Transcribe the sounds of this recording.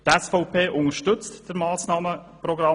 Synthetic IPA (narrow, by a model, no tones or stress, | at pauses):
t̪ɛsfɔʊpʰeːʔʊnəʃtʏt͡std̥əɾmɑːsnɑːməprɔɡɾɑ